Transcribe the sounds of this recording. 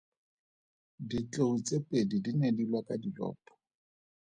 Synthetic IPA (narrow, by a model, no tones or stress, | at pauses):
dit͡ɬʼeut͡sʼepʼedidinedilwakʼadilɔ̰ːpʼɔ̥